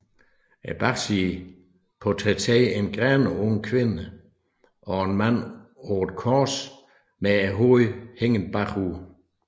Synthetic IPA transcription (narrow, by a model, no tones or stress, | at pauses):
æb̥ḁsi | pʰɔt͡sʰɛt͡sʰɛːenɡ̥ʁɛnəɔŋkʰʋe̝nə | ʔɒ̽enmænod̥kʰɔːs | meæɦoheŋənb̥ɑχu